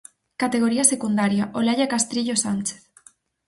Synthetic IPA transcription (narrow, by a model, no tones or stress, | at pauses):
kat̪eɣ̞oɾiasekund̪aɾjaʔolaʎakast̪ɾiʎosant͡ʃe̥θ